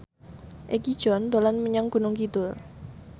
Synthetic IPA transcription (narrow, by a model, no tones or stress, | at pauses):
ʔekid̥ʒ̥ɔ̤nd̪o̤lanməɲaŋɡ̥ṳnʊŋkit̪ʊl